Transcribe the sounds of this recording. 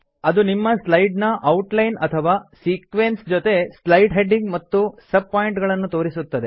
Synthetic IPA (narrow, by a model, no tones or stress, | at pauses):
ɐd̪unimːɐslɐjɖnɐʔɐwʈlɐjnɐt̪ʰɐʋaːsiːkʋensd͡ʒot̪e̞slɐjɖɦe̞ɖiŋɡmɐt̪ːusɐb̚paːjiɳʈɡɐɭɐnːut̪o̞ːɾisut̪ːɐd̪e